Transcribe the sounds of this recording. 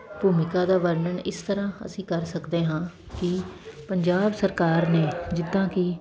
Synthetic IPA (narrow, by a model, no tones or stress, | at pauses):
buːmɪkaːd̪aːʋəɾnəɳɪst̪əɾãːə̰sĩːkəɾsəkd̪eːɦãː | kɪpəɲd͡ʒaːbsəɾkaːɾneːd͡ʒɪd̪ːãːkɪ